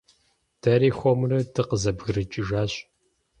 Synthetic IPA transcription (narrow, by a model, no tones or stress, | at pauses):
d̥ɐɾiːxʷɔmrɐtʰɨqəzɐbɣɨɾɨt͡ʃʼɪʒaːɕʼ